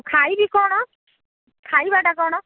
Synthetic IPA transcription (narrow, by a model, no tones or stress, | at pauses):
kʰajbikɔɽ̃ɔ | kʰajbaʈakɔɽ̃ɔ